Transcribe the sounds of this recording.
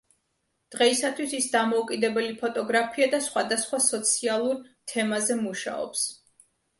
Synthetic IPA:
d̪̥ʁɛisat̪ʰwisisd̪amɔukʼid̪ɛbɛlipʰɔt̪ʼɔɡɾapʰiad̪asχwad̪asχwasɔt̪sʰialˠuɾt̪ʰɛmazɛmuʃa̰ɔ̰ps

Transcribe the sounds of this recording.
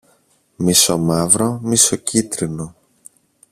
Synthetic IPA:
miso̞mɐvɾo̞misocit̪ɾino̞

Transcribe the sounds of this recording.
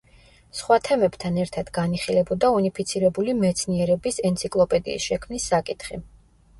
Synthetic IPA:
sχwat̪ʰɛmɛbt̪ʰanɛɾt̪ʰad̪ɡaniχilɛbɔd̪aunipʰit̪sʰiɾɛbulimɛt̪sʰniɛɾɛbisɛnt̪sʰikʼlˠɔpʼɛd̪ḭːsʃɛkʰmnisːakʼit̪ʰχi

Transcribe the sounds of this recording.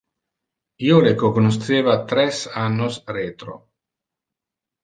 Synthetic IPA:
iolekokonost̪eːvat̪ɾɛsanːosret̪ɾo̰

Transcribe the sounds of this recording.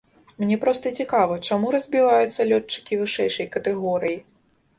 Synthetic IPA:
mnʲɛpɾɔst̪ɐt͡sʲikavɐt͡ʂamuɾɐzʲbʲivajut̪sːɐlʲɔt͡ʂt͡ʂːɨ̥kʲivɨʂɛjʂɐjkɐt̪ɛɣɔɾɨji

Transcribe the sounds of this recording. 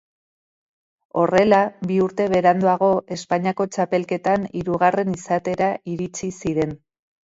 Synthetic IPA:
o̞re̞labiuɾt̪e̞βe̞ɾand̪uaɣ̞o̞ʔe̞spaɲiako̞t͡ʃape̞lke̞t̪aniɾuɣ̞are̞nisat̪e̞ɾaʔiɾit͡sisiɾe̞n

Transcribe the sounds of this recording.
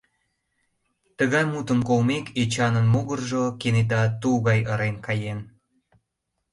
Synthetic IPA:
t̪əɣɑjmut̪əmkolmekʰet͡ɕɑnənmuɣərʒokenet̪̬ɑt̪uɣɑjəɾenkɑjen

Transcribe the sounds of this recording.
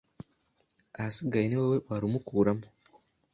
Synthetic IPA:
ahasiɡajiniwewewaɾimukuːɾamo

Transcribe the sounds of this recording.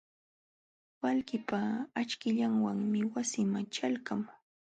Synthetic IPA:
walɢɪpaːt͡ʃkɪʎaŋwaŋmɪwasɪmat͡ʃalkam

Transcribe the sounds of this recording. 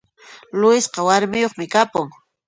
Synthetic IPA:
lʊɪsqɑwaɾmɪjoχmɪkapʊŋ

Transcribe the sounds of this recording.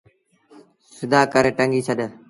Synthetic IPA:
sɪd̪aːkəɾeːʈəŋɡiːt͡ʃʰəɗ

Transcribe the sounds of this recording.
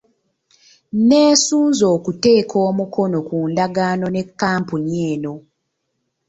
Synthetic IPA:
ne̞ːsuːnzo̞ːkute̞ːkʰo̞ːmuko̞no̞kuːndaɡaːno̞ne̞kːaːmpuɲie̞ːno̞

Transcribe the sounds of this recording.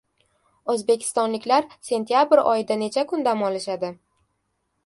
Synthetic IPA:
ozbe̞kʲʰɪ̥st̪ɒnlɪkʲlaɾse̞nt̪ʰijabɪɾɒ̰jɪd̪ane̞t͡ʃʰakʰʊnd̪amɒlɪʃad̪ɪ

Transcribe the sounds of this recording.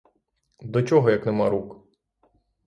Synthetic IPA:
d̪ɔt͡ʃɔɦɔjɐknɛmɑɾuk

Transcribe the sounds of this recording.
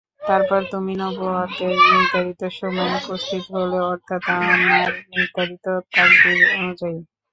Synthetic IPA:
t̪aɾpɔɾt̪uminɔboat̪enit̪aɾit̪oʃɔmɔeupost̪ʰit̪oɦoleɔɾt̪ʰːat̪aamiaɾit̪aɾit̪ot̪aɾdionud͡ʑai

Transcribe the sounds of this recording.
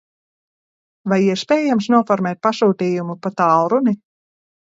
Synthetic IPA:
vajiɛspʲɛːjamsnuɔfɔɾmɛːt̪̚pasuːt̪iːjumupat̪awɾuni

